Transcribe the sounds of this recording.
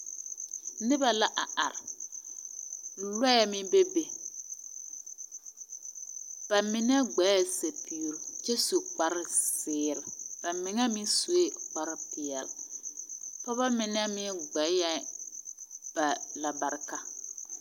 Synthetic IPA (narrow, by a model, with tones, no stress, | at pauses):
nɪ˦ba˨la˨ʔa˨ʔa̰˨ɾɪ˨ | lɛ˦jɛ˦mɪ˦be˦be˨ | b̥a˨mɪ˨n˦ɛ˦ɡ͡bɛ˨˦jɛ˦se˨pʰi˨ɾt͡ʃɛ˦su˨k͡pa˦ɾɪ˦sɪː˦˨ɾɪ˨b̥a˨mɪ˨ŋa˦mɪ˦su˨˦e˦k͡pa˦ɾɪ˦pɪ˨ɛ˨l | pɔ˦βa˦mɪ˨n˦ɛ˦mɪ˦ɡ͡bɛ˨˦jɛ˦ | b̥a˨la˨ba˨ɾka˨